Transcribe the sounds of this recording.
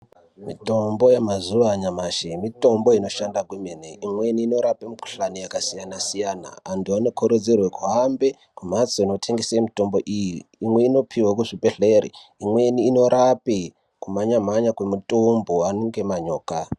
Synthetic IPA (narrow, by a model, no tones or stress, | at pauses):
mito̞mbo̞jemazuʋaɲamaʃemito̞mbo̞ino̞ʃandakwemeneʔimweniːno̞ɾapemiku̥ɬanijakasijanasijana̰antʰuano̞kʰoɾod͡zerwekuɦambe̞ | kum̤at͡soino̞tʰeŋɡesiemito̞mbo̞ʔijiːmwe̞ino̞pʰiwakuʐibeɬeɾḭimwe̞niːno̞ɾapi | kumaɲamaɲakwemutʼomboanoŋɡe̞maɲoːka